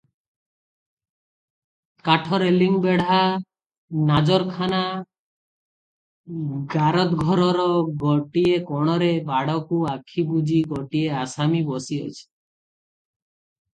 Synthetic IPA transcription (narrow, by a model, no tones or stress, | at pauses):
kaʈʰɔɾeliŋbeɽ̤a | nad͡ʒɔɾkʰana | ɡaɾɔt̪ɡʱɔɾɔɾɔɡɔʈiekɔɽ̃ɔɾebaɽɔkuakʰibud͡ʒʱiɡɔʈieasamibɔsiɔ̰t͡ʃʰi̥